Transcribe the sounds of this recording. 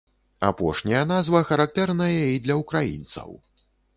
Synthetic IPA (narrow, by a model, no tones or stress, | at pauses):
a̰pɔʂnʲɐjɐn̪azvɐxɐɾak̚t̪ɛrnɐjɛid̪lʲɐukɾajḭnt̪sɐ̰w